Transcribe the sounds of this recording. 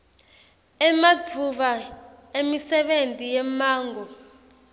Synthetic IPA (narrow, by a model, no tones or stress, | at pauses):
ɛmad͡vʱuɓa | emisɛɓentʼijɛmaːŋɡɔ